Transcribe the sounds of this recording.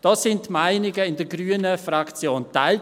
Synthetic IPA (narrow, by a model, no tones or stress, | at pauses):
d̥ɔːsɪntmaɪnɪɡəɪndəɡɾyːənəfɾɑkt͡sjoːntaɪl